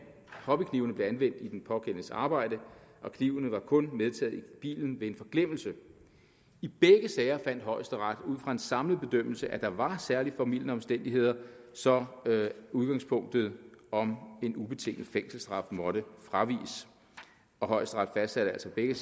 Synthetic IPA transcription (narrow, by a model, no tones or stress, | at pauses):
hɒ̽b̥ikʰniʊnəb̥le̝ænʋen̰d̥id̥enpʰɒ̽kʰen̰sɑ̈ːb̥ɑ̈ɪ̰d̥əʔɒ̽kʰniʊnəʋɑ̈kʰɔ̽nmeð̞ˠt͡sʰɛ̰ːð̞̩ˠib̥ḭːln̩ʋe̝e̝nfɒ̽ɡ̥lem̰l̩sə | ib̥eɡ̥əsɛːɪɐfæn̰d̥ɦɒ̽ɪ̰sd̥əʁɑ̈d̥uð̰ˠfʁɑ̈e̝nsɑ̈mləð̩ˠb̥e̝d̥øm̰l̩səʔæd̥ɑ̈ʋɑ̈sæɐlifɒmiljən̩əɒ̽msd̥en̰d̥iɦe̝ð̰ˠɐsɒ̽ | uð̞ˠɡ̥ɑ̈ŋspʰɔ̽ŋ̰d̥ð̩ˠɒ̽me̝nub̥e̝t͡sʰe̝ŋ̰ð̩ˠfeŋ̰sl̩sd̥ʁɑ̈fd̥mɒ̽ɾ̥əfʁɑ̈ʋḭːs | ɒ̽ɦɒ̽ɪ̰sd̥əʁɑ̈d̥fæsd̥sæɾ̥əæl̰sɒ̽b̥eɡ̥ə